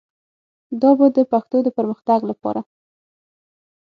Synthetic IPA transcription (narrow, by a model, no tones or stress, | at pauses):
d̪ɑbad̪əpaxt̪od̪əpəɾməxt̪aɡlapɑ̰ɾa